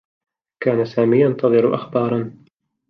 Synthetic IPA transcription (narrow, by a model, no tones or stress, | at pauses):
kaːnasaːmiːjɑnt̪ɑðˤɨɾʊʔa̰xbɑːɾˤɑn